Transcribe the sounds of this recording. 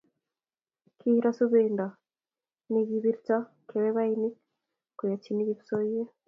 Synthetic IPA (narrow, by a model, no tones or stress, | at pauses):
kʰiɾasuβeːnda | niɡiβiɾita | kʰeβeβaini | kujat͡ʃiniɡiβi̥soije